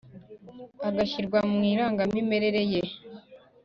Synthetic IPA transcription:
aɡaçiɾɡwammŋiːɾaːŋɡamime̞ɾe̞ɾe̞je

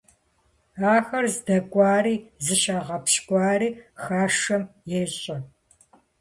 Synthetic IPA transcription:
aːxɐrzdɐɡʷʼɑːriːzɨʃaːʁɐpʃkʷʼɑːriːxaːʂɐmjɛɕʼɐ

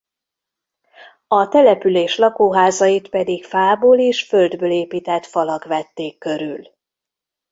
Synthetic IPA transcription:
ɒt̪ɛlɛpyleːʃlɒkoːɦaːzɒjit̪pɛd̪ikfaːboːleːʃføld̪bøːleːpiːt̪ɛt̪fɒlɒkʋɛt̪ːeːkːø̞ɾyl

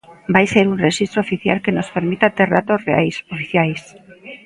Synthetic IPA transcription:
bajseɾunreʃist̪ɾoofiθja̰lkenospeɾmit̪at̪era̰t̪osrea̰jsofiθjajs

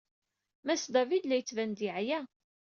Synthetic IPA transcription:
mæsd̪ɑvid̪læjət͡sːvænd̪iʕjæ

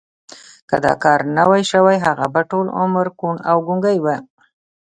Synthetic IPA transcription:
kə̰d̪ɑ̰kɑɾnəwajʃəwajɦaɣa̰baʈolʊ̰məɾkuɳawɡuŋɡajwa

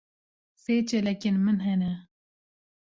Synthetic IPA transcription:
seːt͡ʃɛlɛkeːnmɨnɦɛnɛ

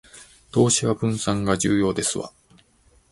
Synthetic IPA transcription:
t̪o̞ːɕiβabɯ̟̃ɰ̃sãŋɡaʑɨːjo̞ːd̪e̞sɨβa̰

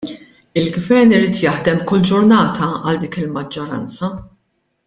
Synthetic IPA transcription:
ɪlɡvɛɾnɪɾiːt̪jɐħd̪ɛmkʊlːd͡ʒʊɾnɐːt̪ʰɐɐld̪iːkɪlmɐd͡ʒːɔɾɐ̰nt͡sɐ

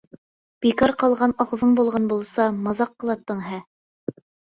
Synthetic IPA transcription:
b̥ikɑɾqɑlˠʁɑnɑʁzɤɴbulˠʁɑnbulˠsɑmɑzɑqːɤ̆lˠɑt̪ːɤ̆ɴɦæ

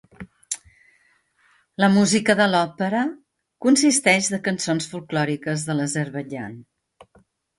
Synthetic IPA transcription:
ləmuzikəðəlɔpəɾə | kunsist̪ɛʒðəkənsonsfulˠklɔɾikəzðələzəɾβəʒa̰n

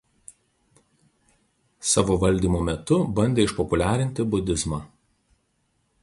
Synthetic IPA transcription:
sɑːʋoʋɐlʲd̪ʲiːmoːmʲɛt̪ʊbɐnʲd̪ʲeːɪʃpɔpʊlʲæːɾʲɪnʲt̪ʲɪbʊd̪ʲɪzmɑː

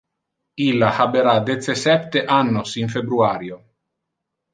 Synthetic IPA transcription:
ilːahabeɾad̪et̪sesɛp̚t̪eʔanːosinfebɾuaːɾjo

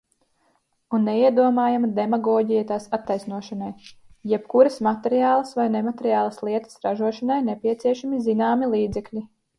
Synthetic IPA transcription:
unːeiɛd̪uɔmaːjamad̪emaɡɔːɟijat̪aːsat̪ːajsnuɔʃanajjɛpkuɾɐsmat̪eɾijaːlˠɐsvajnɛmat̪eɾijaːlˠɐslˠiɛt̪ə̥sɾaʒuɔʃanajnɛpʲiɛt̪siɛʃamizinaːmilˠiːd̪zɛklʲi

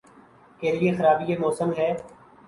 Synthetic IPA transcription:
keːlɪeːxəɾaːbiːeːmoːsəmɦɛː

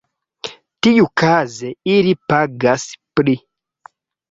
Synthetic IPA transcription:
tijukazɛiɾipaɡaspɾi

